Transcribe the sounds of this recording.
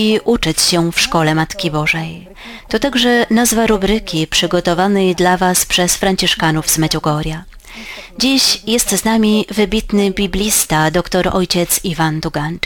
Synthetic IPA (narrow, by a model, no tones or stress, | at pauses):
iʔut͡ʂɘt͡ɕɕɛfʂkɔlɛmat̪kʲibɔʐɛj | t̪ɔt̪aɡʐɛnazvaɾubɾɘkʲipʂɘɡɔt̪ɔvanɛjd̪lavaspʂɛsfɾaɲt͡ɕiʂkanuvzmɛd͡ʑɔɡɔɾʲja | d͡ʑiɕjɛst̪znamʲivɘbʲit̪nɘbʲibʲlʲist̪ad̪ɔkt̪ɔɾɔ̰jt͡ɕɛt̪sivand̪uɡan